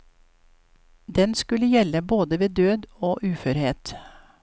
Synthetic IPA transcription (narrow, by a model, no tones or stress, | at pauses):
d̪ɛnskʉləjɛləboːd̪əʋeːd̪øːd̪oːʔʉːfœɾheːt̪